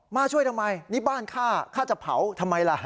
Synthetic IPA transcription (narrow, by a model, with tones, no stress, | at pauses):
maː˥˩t͡ɕʰu˥˩əjt̪ʰa˧mːa˧jni˦˥baː˥˩nkʰaː˥˩kʰaː˥˩t͡ɕa˨˩pʰa̰˩˦wt̪ʰa˧mːa˧jla˧˩